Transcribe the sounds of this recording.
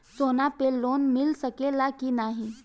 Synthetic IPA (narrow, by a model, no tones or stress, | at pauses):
soːnapeloːnmɪlsəkelakinaːɦĩ